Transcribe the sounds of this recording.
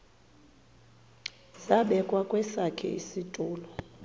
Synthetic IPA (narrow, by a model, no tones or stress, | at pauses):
zaɓɛkʼwakʼwɛsakʰɛ̰ḭsitʼuːlɔ